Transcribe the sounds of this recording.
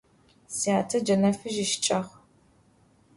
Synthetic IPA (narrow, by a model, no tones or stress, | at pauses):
sijaːtʰɐd͡ʒɐnɐfɨʒɪʃt͡ʃʼɐχ